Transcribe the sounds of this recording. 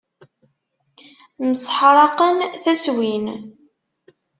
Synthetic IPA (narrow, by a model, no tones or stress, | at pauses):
məsˤħɾˤɑqənθæswin